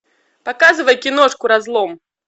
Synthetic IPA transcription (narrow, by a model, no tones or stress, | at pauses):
pakazɨvɐjkʲinɔʂkuɾazlˠɔm